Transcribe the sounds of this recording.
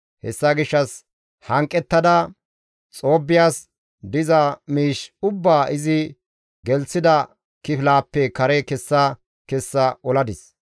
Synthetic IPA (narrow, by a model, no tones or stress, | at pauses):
hɛsːɐɡɪʃːɐs | hɐŋkʼːɛt̪ːɐd̪ɐ | t͡sʼo̞ːbːɪjaːs | d̪ɪzɐmiːʃʊbːaːʔɪzɪ | ɡɛlt͡sːɪd̪ɐ | kɪflaːpːɛkɐɾɛkɛsːɐ | kɛsːɐɔlɐd̪ɪs